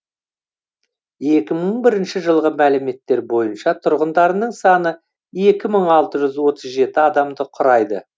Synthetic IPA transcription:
e̞kʲɪməɴbɪɾɪnʃɪʒəlˠʁəmælɪme̞t̪ːe̞ɾbo̞jənʃɑt̪ʰʊɾʁənd̪ɑɾənəɴsɑnə | e̞kʲɪməɴɑlˠt̪əʒʏzwo̞t̪əzʒe̞t̪ɪɑd̪ɑmd̪əqʰʊɾɑjd̪ə̰

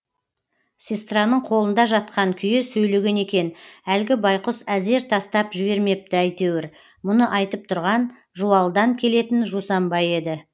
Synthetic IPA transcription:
sʲest̪ranəɴqʰo̞lˠənd̪ɑʒɑt̪̚qʰɑŋkʲʰʏjɪsɵjle̞ɡʲe̞ne̞kʲe̞nælɡʲɪbɑjqəsæze̞ɾt̪ʰɑst̪ɑpʒɪβe̞ɾme̞p̚t̪ɪæjt̪e̞wɪɾ | mʊnəʔɑjt̪əp̚t̪ʰʊɾʁɑn | ʒuɑlˠd̪ɑŋkʲʰe̞le̞t̪ɪnʒusɑmbɑje̞d̪ɪ

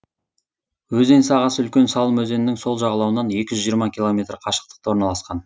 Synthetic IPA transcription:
wɵze̞nsɑʁɑsʏlkʲe̞nsɑlˠəmɵze̞nɪnːɪŋso̞lˠʒɑʁɑlˠɑwənɑne̞kʲɪʒʏzʒijəɾmɑkʲʰilˠo̞me̞t̪rqʰɑʃə̥q̚t̪ə̥qt̪ɑwoɾnɑlˠɑsqɑn

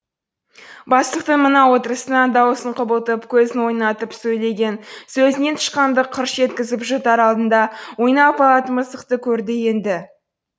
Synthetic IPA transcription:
bɑst̪ˠəq̚t̪əɴmənɑwo̞t̪əɾəsənɑnd̪ɑwəsəɴqʰʊbəlˠt̪əpkʲʰɵzɪnwo̞jnɑt̪əpsɵjle̞ɡʲe̞nsɵzɪne̞nt̪ʰʊ̥ʃqɑnd̪əqʰəɾʃʒe̞t̪kʲɪzɪpʒɑt̪ɑɾɑlˠd̪ənd̪ɑwo̞jnɑpɑlˠɑt̪əməzt̪əqt̪əkʲʰɵɾd̪ɪje̞nd̪ɪ

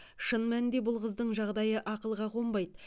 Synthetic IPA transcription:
ʃənmænɪnd̪e̞bʊlˠqəzd̪əɴʒɑʁd̪ɑjəʔɑqəlˠʁɑqo̞mbɑjd̪

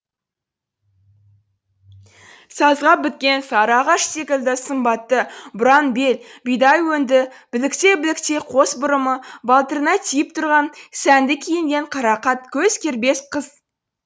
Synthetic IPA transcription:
sɑzʁɑbɪt̪̚kʲe̞nsɑɾɑʁɑʃse̞kʲɪlʲd̪ɪsəmbɑt̪ːəbʊɾɑnbe̞lbijd̪ɑjwɵnd̪ɪb̥ɪlɪkt̪e̞bɪlɪk̚t̪e̞qʰo̞sbʊɾəməvɑlˠt̪ernɑt̪ʰijɪpt̪ʰʊɾʁɑnsænd̪ɪkʲʰijɪŋɡʲe̞ɴqʰɑɾɑqɑt̪̚kʲʰɵzkʲʰeɾbe̞sqəz̥

